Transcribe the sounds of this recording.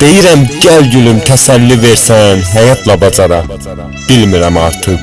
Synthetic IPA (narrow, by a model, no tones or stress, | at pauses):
d̪̥e̞jiɾæmɟælɟylymt̪ʰæsælːiveɾsænɦæjɑt̪ʰlɑbɑd͡ʒɑɾɑ | b̥ilmiɾæmɑɾt̪ʰɯʁ